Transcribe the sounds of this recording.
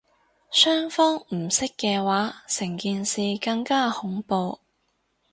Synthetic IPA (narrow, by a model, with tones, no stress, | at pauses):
sœː˥ŋfɔː˥ŋm̩˨˩sɪ˥kːɛː˧waː˨˥sɪ˨˩ŋkiː˧nsiː˨kɐ˧ŋkaː˥hʊ˨˥ŋpo˧w